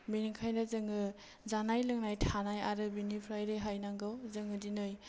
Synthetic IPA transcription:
biniŋkʰajnazɯŋɯ | zanajlɯŋnajtʰanajaɾɯbinipʰɾajɾɯɦajnaŋɡɯwzɯŋɯdinɯj

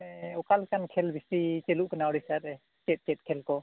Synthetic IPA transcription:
ɛɔkalkankʰɛlbʱisit͡ʃeluʔkanaɔɽisaɾɛ | t͡ʃɛt̪̚t͡ʃɛt̪̚kʰɛlkɔ

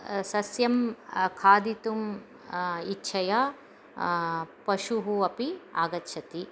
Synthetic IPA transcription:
sɐsjɐmkʰaːd̪it̪um | itːʃʰɐja | pɐʃuɦuɐpiaːɡɐtːʃʰɐt̪i

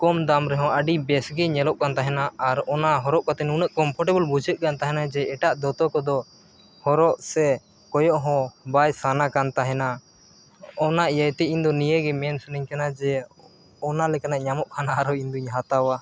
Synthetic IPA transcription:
kɔmd̪amɾɛɦɔ̃əɖibɛsɡɛɲɛlɔʔkant̪aɦɛnaaɾɔnaɦɔɾɔʔkat̪ɛnunəʔkɔmpʰɔɾʈɛbəlbud͡ʒət̪̚ˀkant̪aɦɛnad͡ʒɛɛʈaʔd̪ɔt̪ɔkɔd̪ɔ | hɔɾɔʔsɛ | kɔjɔʔɦɔ̃bajsanakant̪aɦɛna | ɔnaʔjəjt̪ɛind̪ɔnijeɡɛmɛnsuniɲkanad͡ʒɛ | ɔnalɛkanaʔɲamɔʔkʰanaːɾɔind̪ɔɲɦat̪awa

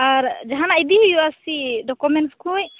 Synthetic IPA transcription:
aɾd͡ʒaɦanaid̪ijuasiɖɔkumɛnskuj

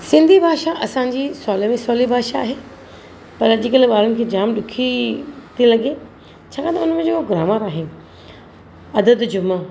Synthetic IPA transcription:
sɪ̃nd̪ʱibʱaːʃaʔɐsãːɲd͡ʑiːsɔːlmẽsɔːlibʱaːʃaːɦeː | pɐɾʄɪkəlɓaːɾənɪ̆kʰeːd͡ʑaːmɗʊkʰit̪ʰilɐɠe | t͡ɕʰaːkãt̪ɐʊn̤əmẽd͡ʑekoɡɾaːmaɾaːɦen | ɐd̪əd̪d͡ʑʊmaː

